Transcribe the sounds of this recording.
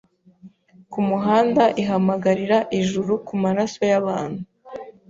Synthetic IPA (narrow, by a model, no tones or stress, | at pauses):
kumuɦaːndaʔiɦamaɡaɾiɾaʔiʒuɾukumaɾaso̞jaβaːn̥hu